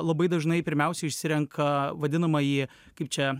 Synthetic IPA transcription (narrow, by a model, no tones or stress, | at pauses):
lˠɐbɐɪd̪ɐʒnɐɪpʲɪɾʲmʲɛˑʊsʲɛɪʃʲsʲɪɾʲɛŋkʰɐʋɐd̪ʲɪnɐmɐjiː | kɐɪp̚t͡ʃʲɛ